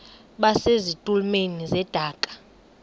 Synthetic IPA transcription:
ɓasezitʼulmenizɛd̥ʱaːkʼḁ

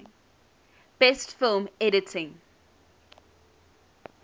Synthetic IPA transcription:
b̥ɛstfɪlmɛɾɪtʰɪ̃ŋ

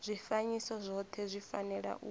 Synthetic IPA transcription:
zʷifaɲisɔzʷɔt̪ʰɛzʷifanɛɺa̰ʔu

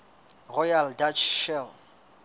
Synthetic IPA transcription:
rɔjaldat͡ʃʰʃɛl

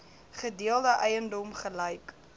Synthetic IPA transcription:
χədiəlˠdəʔɛjəndɔmχələjk

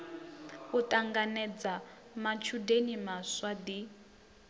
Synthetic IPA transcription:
utʼaŋɡanɛd͡za | mat͡ʃʰudenimaswad̪i

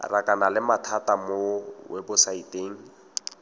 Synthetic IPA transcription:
rakʼanalɪmatʰatʼamowɛbʊsaitʼeːŋ̩

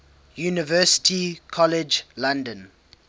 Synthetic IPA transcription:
junivɛsɪ̥tʰikʰɔlɛd͡ʒlãndə̃n

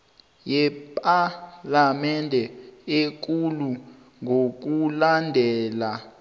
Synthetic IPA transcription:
jɛpʼalamɛndʱɛek̬ulu | ŋok̬ulandʱɛːla

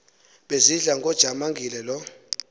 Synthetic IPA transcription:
ɓeziɮaŋɡʱʼɔd̥ʒ̥ʱamaŋɡʱilɛlɔ

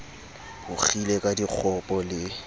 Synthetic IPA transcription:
hʊk͡xʰilekʼadik͡xʰɔpʼɔlɪ

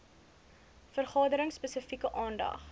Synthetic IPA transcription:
fərχɑːdəɾəŋsːpəsəfikəʔɑːndɐ̰χ

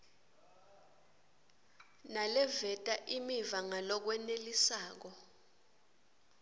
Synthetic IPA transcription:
nalɛvɛtʼaʔimivaŋalɔk̬wɛnelisaːk̬ɔ

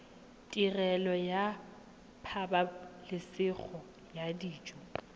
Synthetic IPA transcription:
tʼirɛlɔja | pʰabalɪsɪk͡xʰɔ | jadiːt͡ʃʼɔ

